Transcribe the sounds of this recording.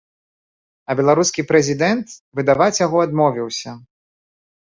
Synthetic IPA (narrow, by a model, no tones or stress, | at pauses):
ɐbʲɛlˠaɾuskʲipɾɛzʲid̪ɛnt̪vɨd̪avat͡sʲjaɣɔad̪mɔvʲiwsʲɐ